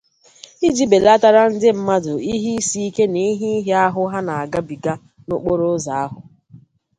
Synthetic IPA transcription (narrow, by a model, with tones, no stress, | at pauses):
i˦d͡ʒi˦be˨la˦ta˦ɾa˦n̩˦dɪ˦m̩˦ma˦dʊ˨i˦ɦi˦i˦si˦i˦ke˦ni˦ɦi˦i˦ɦi˦a˦ɦʊ˦ɦa˦na˨a˨ɡa˦bi˨ɡa˦ | no˦k͡po˦ɾo˦za˨a˦ɦʊ˨